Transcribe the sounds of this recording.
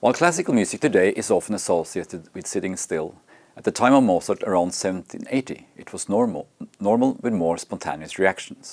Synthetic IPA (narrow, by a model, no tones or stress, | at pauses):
waɪlˠkʰl̥æsɨkl̩ˠmjʉzɨk̚tʰɨdeɪʔɪzɑfə̃n̩əsɔsieɪɾɨd̚wɨð̥sɪɾɪ̃ŋstɪlˠ | ət̪̚ðɨtʰãɪ̃mʌvmɔsə˞təɹãʊ̃nd̥sɛṽn̩tʰḭ̃neɪɾḭʔɪt̚ʰwʌz | nɔɹml̩ˠwɨðmɔɹspɑ̃ntʰḛ̃niɨsɹiækʃn̩s